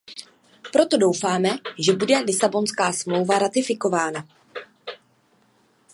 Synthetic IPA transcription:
pɾo̞t̪o̞do̞wfaːmɛʒɛbudɛlɪsabo̞nskaːsmlowvaɾat̪ɪfɪko̞vaːna

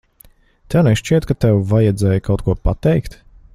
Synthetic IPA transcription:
t̪ɛwnɛʃt͡ʃiɛt̪kat̪ɛwvajɛd̪zɛːjkʰawt̪kuɔpat̪ɛjkt̪

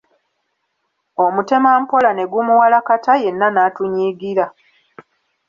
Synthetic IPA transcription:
o̞mute̞maːm̩po̞lane̞ɡumuwalakataje̞nːanaːtuɲiːɡiɾa

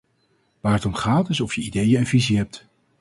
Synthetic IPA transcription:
ʋaːɹətɔmχaːtɪsɔfjəidejəənviziɦɛp̚t

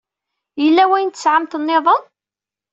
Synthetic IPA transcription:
jəlːæwæjənt̪ːəsʕamt̪ənːeðˤən

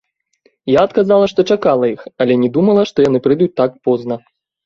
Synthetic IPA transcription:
jaɐt̪kazalˠɐʂt̪ɔt͡ʂakalˠɐixɐlʲɛnʲɛd̪umɐlˠɐʂt̪ɔjanɨpɾɨd̪ut͡sʲt̪ak̚pɔznɐ

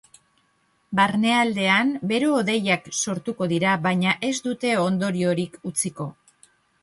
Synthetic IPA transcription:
baɾne̞ald̪e̞ambe̞ɾo̞ːðe̞jakso̞ɾt̪uko̞ðiɾaβajɲaʔe̞zd̪ut̪e̞o̞nd̪o̞ɾio̞ɾikut͡siko̞

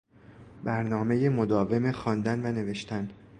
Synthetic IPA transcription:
bæɾnɒːme̞jemo̞d̪ɒːve̞mexɒːnd̪ænvæne̞ve̞ʃt̪ʰæn

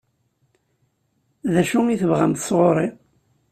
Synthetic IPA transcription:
ðæʃʊŋiθəvʁæmt̪sˤʁoɾˤi

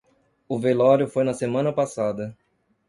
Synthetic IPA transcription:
ʊvelɔɾjʊfojnɐsemɐ̃nɐpasad̪ɐ

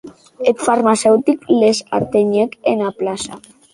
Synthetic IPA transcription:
et̪faɾmasɛwt̪iklesa̰ɾt̪eɲekenaplasa̰

